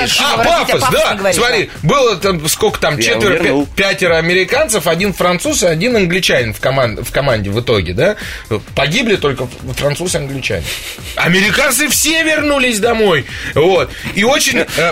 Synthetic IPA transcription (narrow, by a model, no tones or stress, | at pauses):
apapəsd̪asmɐɾʲibɨlˠət̪askokə̥t̪amt͡ɕet̪vʲɪɾəpʲætʲɪɾəɐmʲɪɾʲɪkant̪səfɐdʲinfɾɐnt̪susɐdʲinɐnɡlʲɪt͡ɕænʲɪnfkɐmanfkɐmanʲdʲɪvɨt̪o̞ɡʲɪd̪a | pɐɡʲiblʲɪt̪o̞lʲkəfɾɐnt̪susɨɐnɡlʲɪt͡ɕæ̰nʲɪ̰ | ɐmʲɪɾʲɪkant̪sɨfsʲe̞vʲɪrnulʲɪsʲd̪ɐmo̞jvo̞t̪̚io̞t͡ɕɪnʲ